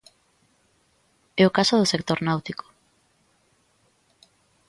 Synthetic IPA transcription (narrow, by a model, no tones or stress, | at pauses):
ɛokasoðʊsekt̪oɾnawt̪iko̥